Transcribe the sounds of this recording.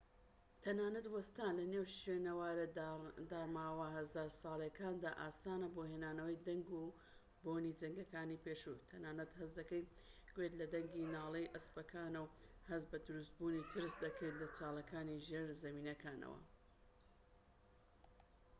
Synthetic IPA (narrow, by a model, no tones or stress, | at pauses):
t̪ʰɐnaːnɐt̪wɐst̪aːnlɐnewʃeːnɐwaːɾɐd̪aːɾmaːwɐɦɐzaːɾsɑːlˠjɐkaːnd̪aːʔaːsaːnɐboːhenaːnɐwɐjd̪ɐŋɡu | boːnid͡zɐŋɡɐkaːnipeːʃut̪ʰɐnaːnɐt̪hɐsd̪ɐkej | ɡ̥wet̪lɐd̪ɐŋɡinaːlˠejʔɐspɐkʰaːnɐwhɐzbɐd̪ʊɾust̪̚buːnit̪ʰɨɾsd̪ɐkʰejt̪lɐt͡saːlˠɐkaːniʒieɾzɐmiːnɐkaːnɐ̰wɐ̰